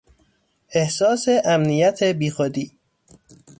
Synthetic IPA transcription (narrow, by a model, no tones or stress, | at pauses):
ʔe̞hsɒːseʔæmnijæt̪ʰebiːxod̪iː